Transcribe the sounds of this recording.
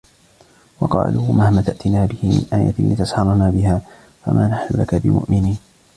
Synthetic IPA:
wɑqɑ̰ːluːmahmat̪aʔt̪ɪnaːbɪhɪmɪ̰nʔaːja̰lɪt̪ashɑɾˤnaːbɪɦaː | fa̰mʔaːnaħnʊlakabɪmʊ̰ʔmɪniːn

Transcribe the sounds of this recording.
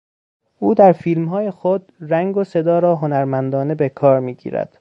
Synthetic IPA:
ʔuːd̪æɾfiːlmɦɒːjexod̪ræŋɡose̞d̪ɒːɾɒːɦonæɾmænd̪ɒːne̞bekʰɒːɾmiːɟḭːɾæ̰d̪̥

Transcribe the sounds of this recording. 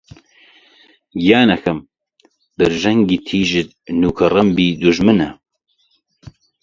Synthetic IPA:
ɡjaːnɐxʰɐm | b̥ɨɾʒɐŋɡiːt̪ʰiːʒɪt̪̚nuːkʰɐrɐmbiːd̪uʒmɨnɐ

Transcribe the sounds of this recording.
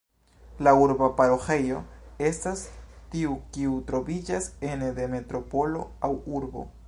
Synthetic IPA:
lauɾbapaɾo̞xe̞jo̞e̞stastiukiutɾo̞vid͡ʒase̞ndeme̞tɾo̞po̞lo̞̰awuɾbo̞̰

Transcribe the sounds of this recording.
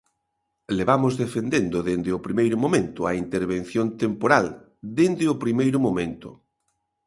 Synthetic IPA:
leβamʊzðefend̪end̪ʊðend̪ɪʊpɾimejɾʊmõmẽnt̪ʊaint̪eɾβ̞en̟θjont̪empoɾal | d̪end̪ɪʊpɾimejɾʊmomẽnt̪ʊ̰

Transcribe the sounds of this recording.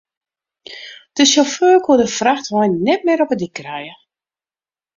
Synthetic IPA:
d̥əʃoføːkʰudəfraxtʋɔjnːɛt̚mɪːɾɔpədikːrɛjə

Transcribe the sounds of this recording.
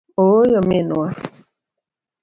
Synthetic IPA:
ojɔmenua

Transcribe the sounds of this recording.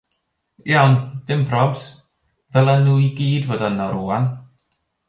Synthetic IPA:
jawnd̥ɪmpʰrɔbs | vɛlˠənuiɡiːdvoːdənɔɾuːan

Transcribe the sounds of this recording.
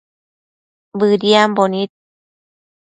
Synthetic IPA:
bɯːdiambɔnit̪̚

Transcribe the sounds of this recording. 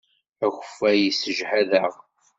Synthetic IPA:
æçə̥fæjisəʒħæðæʁ

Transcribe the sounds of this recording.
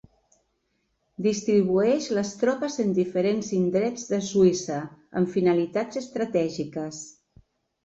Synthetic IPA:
d̪ist̪ɾiβ̞uɛʃləst̪ɾɔpəzənd̪ifəɾenzind̪ɾɛd͡zðəsuisəə̰ɱfinəlit̪ad͡zəst̪ɾət̪ɛʒikəs

